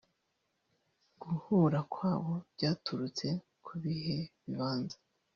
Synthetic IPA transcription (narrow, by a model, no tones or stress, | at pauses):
ɡ̥uhuɾakwaːβo̞bɟaːtuɾut͡se̞ | kʰuβihe̞βiβaːnzḁ